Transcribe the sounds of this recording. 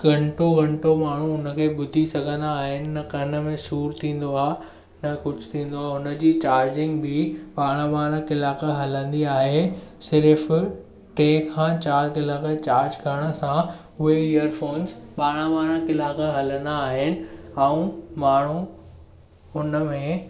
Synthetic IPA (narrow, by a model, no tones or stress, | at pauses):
ɡɐ̃ɳʈoɡʱɐ̃ɳʈomaːɳ̤ũʊnə̆kʰeːɓʊd̪ʱisɐɡʱə̃nd̪aːɦɪnɪ̆ːɐkɐnə̆mẽʃuːɾt̪ʰĩːn̆d̪oaː | nɐkʊd͡ʑʱt̪ʰĩːn̆d̪oaːɦʊnə̆d͡ʑiːt͡ɕaːɾd͡ʑɪ̃ŋɡbɪɓaːɽ̃ãʋaːɽ̃ãkɪlaːkəɦɐlə̃nd̪iaːɦesɪɾf | ʈeːkʰːãːt͡ɕaːɾkɪlaːkət͡ɕaːɾd͡ʑkʰɐɽ̃ə̆sã | ʊɦeijəɾfoːnzɓaːɽ̃ãʋaːɾ̃ãkɪlaːkəɦɐlə̃nd̪aːɦɪnɪ̆ɛũmaːɳ̤u | ʊnəmẽ